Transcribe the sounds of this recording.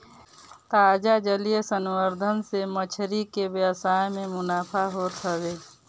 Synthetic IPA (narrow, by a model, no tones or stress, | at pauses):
t̪aːd͡ʒad͡ʒəlijəsənwəɾd̪ʱənsemət͡ʃʰɾikeʋjəsaːemẽmʊnaːpʰaɦot̪ʰəweː